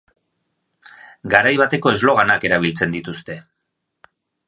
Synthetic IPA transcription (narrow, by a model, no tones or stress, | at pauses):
ɡaɾajβat̪e̞ko̞e̞zlo̞ɣ̞anake̞ɾaβ̞ilt͡se̞nd̪it̪ust̪e̞